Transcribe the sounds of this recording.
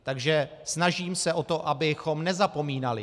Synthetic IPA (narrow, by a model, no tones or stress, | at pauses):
t̪aɡʒɛ | snaʒiːmsɛʔo̞t̪o̞ʔabɪxo̞mnɛzapo̞miːnalɪ